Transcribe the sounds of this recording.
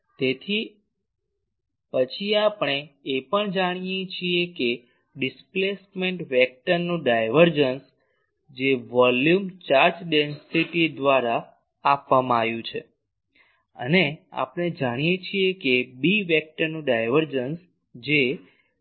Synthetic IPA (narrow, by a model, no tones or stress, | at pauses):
t̪et̪ʰi | pət͡ʃʰiapɳ̃eːpəɳd͡ʒaɽ̃ijet͡ʃʰieke | ɖɪsplesmẽɳʈʋɛk̚ʈəɾnũɖajʋəɾd͡ʒəns | d͡ʒeʋɔljumt͡ʃaɾd͡ʒɖensiʈid̪ʋaɾaː | pʋamãaʋjũt͡ʃʰe | ə̰nea̰pɳed͡ʒaɽ̃ijet͡ʃʰiekebiʋɛk̚ʈəɾnũɖajʋəɾd͡ʒəns | d͡ʒe